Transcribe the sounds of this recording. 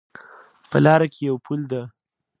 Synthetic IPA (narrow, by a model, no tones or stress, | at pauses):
pəlɑɾakʰejawpʰuld̪a